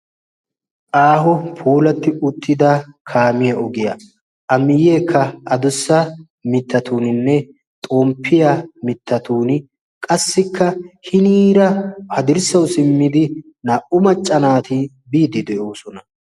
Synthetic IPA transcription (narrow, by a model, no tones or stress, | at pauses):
ʔaːɦɔpʰuːlɐt̪ːɪʊt̪ʰːɪd̪ɐkʰaːmɪjɐʔɔɡɪjɐ | ʔɐmɪjːe̞ːkʰːɐɐd̪ʊsːɐ | mɪt̪ːɐt̪uːnɪnːɛ | t̪ʼoːmpʰːɪjɐmɪt̪ːɐt̪uːnɪ | kʼɐsːɪkʰːɐhɪniːɾɐhɐd̪ɪɾsɐwsɪmːɪd̪ɪ | nɐːʔʊmɐt͡ʃʼːɐnaːt̪ɪ | biːd̪ɪd̪ɛʔo̞ːsɔnɐ